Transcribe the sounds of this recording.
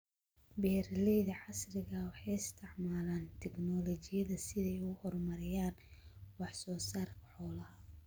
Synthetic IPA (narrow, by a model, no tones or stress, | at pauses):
bɛːrlɛjðɐʕɑsrɪɣɐwɑħɑjɪst̪ʰɪʕmaːlaːnt̪ʰɛɡnɔlɔt͡ʃɪjɐðɐsɪðɛjʊhɔrmɐɾɪjaːnwɑħsɔːsaːrkʰɐ̥ħɔːlɐɦɐ